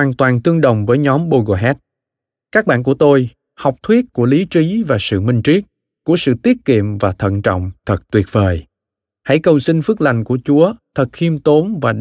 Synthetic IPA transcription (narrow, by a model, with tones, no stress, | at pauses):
hwaː˨˩nt̪waː˨˩nt̪ɨ˧əŋɗə̰˨wŋ͡mvəː˨˦jɲɔ˨˦mɓo˧ɣo˧ɦɛ˦˥t̚ | kaː˦˥k̚ɓa̰ː˧˨nku˧˩ət̪o˧j | ha˨˩wk͡p̚t̪ʰwi˦˥ət̚ku˧˩əli˨˦t͡ɕi˨˦vaː˨˩sɨ̰˧˨mï˧ŋ̟t͡ɕi˦˥ət̚ | ku˧˩əsɨ̰˧˨t̪i˦˥ət̚kḭ˧˨əmvaː˨˩t̪ʰə̰˧˨nt͡ɕɔ̰˧˨wŋ͡mt̪ʰə˨˩t̚t̪wi˨˩ət̚vəː˨˩j | ha̰˧˩jkə˨˩wsï˧ŋ̟fɨ˦˥ək̚la˨˩jŋ̟ku˧˩ət͡ɕu˨˦ət̪ʰə˨˩t̚xi˧əmt̪o˨˦nvaː˨˩